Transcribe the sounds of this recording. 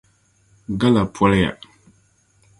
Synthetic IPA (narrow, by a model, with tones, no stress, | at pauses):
ɡa˦la˨pʰwɔ˦lja̰˨